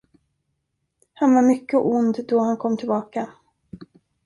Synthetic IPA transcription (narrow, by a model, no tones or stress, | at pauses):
hanvaɾmʏkːəʔʊnd̪d̪ɔhankʰɔmːt̪ʰɪlbɑːka